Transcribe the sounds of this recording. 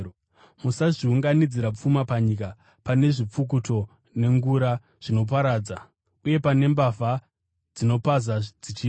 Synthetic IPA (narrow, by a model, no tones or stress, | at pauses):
musaʐiuŋɡanid͡ziɾap͡fumapaɲika | pane̞ʐip͡fuk̬uto̞ | ne̞ŋɡuɾa | ʐ̥ino̞p̬aɾaːd͡za | uje̞pane̞mbava | d͡zino̞pazad͡zit͡ʃiː